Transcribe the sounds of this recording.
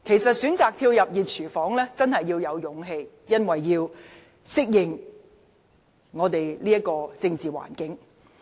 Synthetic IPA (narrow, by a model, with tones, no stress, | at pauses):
kʰe˨˩jsɐ˨t̚syː˨˥nt͡saː˨k̚t̪ʰiː˧wjɐ˨p̚jiː˨t̚t͡ʃʰyː˨˩fɔː˨˥ŋlɛː˥t͡sɐ˥nhɐ˨jːiː˧wjɐ˨˧wjʊ˨˧ŋɦe˧j | jɐ˥nwɐ˨jːiː˧w | sɪ˥k̚jɪ˨˩ŋ | ŋɔː˨˧t̪e˨jliː˥ɐ˥kɔː˧t͡sɪ˧ŋt͡siː˨wa̰ː˨˩nkɪ˨˥ŋ